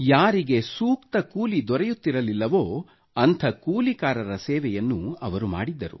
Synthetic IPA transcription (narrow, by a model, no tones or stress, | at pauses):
jaːɾiɡesuːkt̪ɐkuːlid̪ɔɾɛjut̪ːiɾɐlilːɐʋo̞ː | ɐnt̪ʰɐkuːlikaːɾɐɾɐsɛːʋɛjɐnːuɐʋɐɾuma̰ːɽid̪ːɐɾṵ